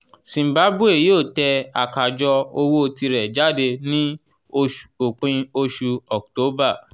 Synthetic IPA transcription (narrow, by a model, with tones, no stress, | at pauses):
sĩ˨ba˨˦bu˦e˨ji˨˦o˦˨tɛ˧a̰˨ka˨d͡ʒɔ˧o˧wo˦o˧ti˧ɾɛ˨d͡ʒa˦˨de˧nĩ˦ | o˧ʃo˨k͡pĩ˧o˧ʃu˧ɔ˨k̚to˨˦ba˦˨